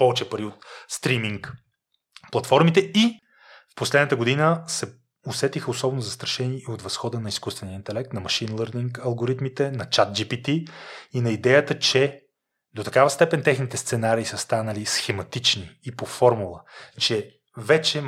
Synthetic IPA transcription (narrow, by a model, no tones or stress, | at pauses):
pɔvɛt͡ʃɛpɐɾiot̪st̪ɾimiŋk | plˠɐt̪fɔɾmit̪ɛi | fposlɛd̪nət̪əɡod̪inəsɛ | osɛt̪ixəosɔbɛnʊzɐst̪ɾɐʃɛniɛiot̪vɐsxɔd̪ənɐiskust̪vɛnijəint̪ɛlɛk̚t̪nɐmɐʃinlˠəɾd̪iŋkɐlˠɡoɾit̪mit̪ɛnɐt͡ʃat̪̚d͡ʒipit̪iinɐid̪ɛjət̪ət͡ʃɛ | d̪ot̪ɐkavəst̪ɛpɛnt̪ɛxnit̪ɛst̪sɛnaɾiːsəst̪anəlisxɛmɐt̪it͡ʃniːpofɔɾmulˠət͡ʃɛ | vɛt͡ʃɛ